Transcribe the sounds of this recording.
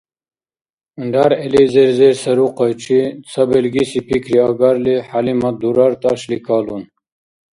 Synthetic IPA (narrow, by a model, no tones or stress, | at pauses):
ɳɖaɾelizeɾzeɾsɐɾuqajʈ͡ʂit͡sʰɐbelɡisipʰikɾiaɡaɾliħalimad̪uɾaɾt̪aɕlikaːlun